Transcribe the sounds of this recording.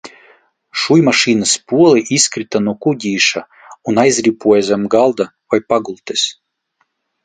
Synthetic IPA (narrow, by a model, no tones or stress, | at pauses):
ʃujmaʃiːnɨspuɔlˠɨʔiskɾɨt̪anuɔkud̪ʲiːʃa | unajzʲɾʲipuɔjzʲamɡalˠd̪a | vajpaɡulˠt̪ɨsʲ